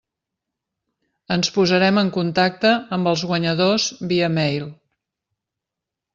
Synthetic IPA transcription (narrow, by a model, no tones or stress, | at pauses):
ənspuzəɾɛməŋkunt̪ak̚t̪əːmbəlˠzɣwəɲəðozβiəmɛjl